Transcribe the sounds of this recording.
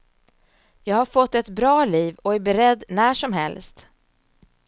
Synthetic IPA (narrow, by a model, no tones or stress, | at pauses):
jɑːɡhaɾfɔt̪ːɛt̪bɾɑːliːvɔæɾbɛɾɛd̪ːnæːʂɔmɦɛ̰lst̪